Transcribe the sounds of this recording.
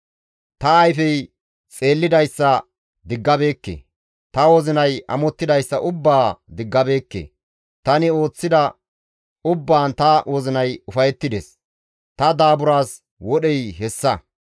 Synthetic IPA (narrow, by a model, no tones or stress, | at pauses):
t̪ɐːjfɛj | t͡sʼe̞ːlːɪd̪ɐjsːɐ | d̪ɪɡːɐbe̞ːkːḛ | t̪ɐwɔzɪnɐjɐ̰mɔt̪ːɪd̪ɐjsːɐʔʊbːaːd̪ɪɡːɐbe̞ːkːḛː | t̪ɐnɪo̞ːt͡sːɪd̪ɐ | ʊbːaːnt̪ɐwʔɔzɪnɐjʊfɐjɛt̪ːɪd̪ɛs | t̪ɐd̪aːbʊɾaːs | wɔɗɛjɦɛsːɐ